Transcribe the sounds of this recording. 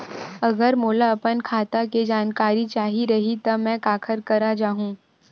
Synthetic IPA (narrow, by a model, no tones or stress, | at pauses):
ɐɡəɾmoːlaɐpənkʰaːt̪aked͡ʒaːnkaːɾit͡ʃaːɦiɾɐɦit̪ɐmɛ̃kaːkʰəɾkɐɾad͡ʒaːɦũː